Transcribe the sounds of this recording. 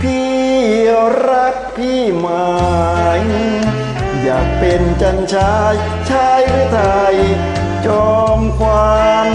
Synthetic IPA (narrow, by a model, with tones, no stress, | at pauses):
pʰiː˥˩ | ɾa˦˥k̚pʰiː˧˥˩ma˨˧˩ŋ | jaː˨˩k̚pe˧nt͡ɕa˧nt͡ɕʰaː˦˥j | t͡ɕʰaː˦˥jɾɯː˧˥˩t̪ʰa˧j | t͡ɕɔː˧mkwaː˧n